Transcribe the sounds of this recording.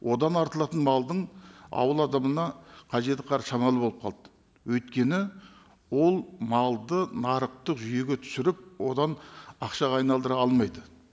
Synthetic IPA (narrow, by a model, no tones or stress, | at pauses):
wʔo̞d̪ɑnɑɾt̪əlˠɑt̪ənmɑlˠd̪əɴɑ̰wəlˠɑd̪ɑmənɑqʰɑʒe̞t̪ɪqʰɑɾʃɑmɑlˠəbolˠəp̚qʰɑ̰lˠd̪ə | wɵjt̪kʲe̞nɪ | wo̞lˠmɑlˠd̪ənɑɾəq̚t̪əqʒʏje̞ɡʲe̞t̪ʰʏ̥sɪɾɪp̚wo̞d̪ɑnɑqʃɑʁɑːjnɑlˠd̪əɾɑɑlˠmɑjd̪ə